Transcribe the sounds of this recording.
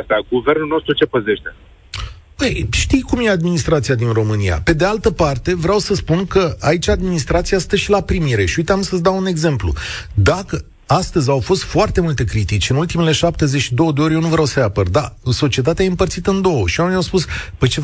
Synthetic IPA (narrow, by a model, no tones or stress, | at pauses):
st̪aɡuve̞rnulno̞st̪ɾut͡ʃe̞pəze̞ʃt̪e | pəjʃt̪ijkumje̞ad̪minist̪ɾat̪sijad̪inro̞mɨnija̰pe̞d̪e̞alt̪əpart̪e̞vɾʲawsəspunkəait͡ʃʲad̪minist̪ɾat̪siast̪əʃilapɾimiɾe̞ʃiuit̪eamsəs̬d̪awune̞ɡze̞mplṵd̪akə | ast̪əzʲawfo̞st̪foart̪e̞mult̪e̞kɾit̪it͡ʃʲɨnult̪imele̞ʃap̚t̪e̞zet͡ʃid̪o̞wəd̪eo̞ɾʲje̞wnuvɾʲawsəjapərd̪aso̞t͡ʃie̞t̪at̪eaimpərt̪sit̪ɨnd̪o̞wəʃianumʲawspuspəjt͡ʃe